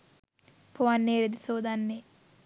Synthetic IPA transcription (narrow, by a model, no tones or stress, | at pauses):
pʰoʋanːeːɾed̪isoːd̪anːeː